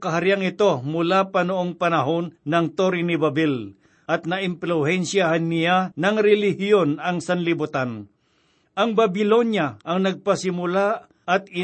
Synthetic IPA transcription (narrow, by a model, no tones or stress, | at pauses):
kɐɦaɾɪjaŋɪt̪omʊlapɐnoʔoŋpɐnɐɦonːɐŋt̪oɾɪnɪbabɪl | ʔɐt̪̚nɐʔɪmplʊhɛnsjahanːɪjanɐŋɾɛlɪhjjonɐŋsanlɪbʊt̪an | ʔɐŋbabɪlonjaʔɐŋnɐɡ̚pɐsɪmʊla | ʔɐt̪̚ɪ